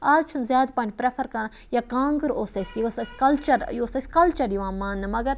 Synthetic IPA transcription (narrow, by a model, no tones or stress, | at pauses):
aːzt͡ʃʰunzjaːd̪pɐnʲpɾefʰɐɾkɐɾɐ | jakãːŋɡəɾoːsɐsjosɐsʲkɐlt͡ʃɐɾjoːsɐsʲkɐlt͡ʃɐɾjiʋãːmaːnːɐmɐɡɐɾ